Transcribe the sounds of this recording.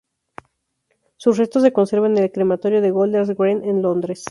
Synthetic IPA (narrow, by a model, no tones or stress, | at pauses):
susre̞st̪o̞s̬ːeko̞nse̞ɾβanelkɾemat̪o̞ɾjo̞ðe̞ɣold̪eɾzɡɾenenlo̞nd̪ɾe̞s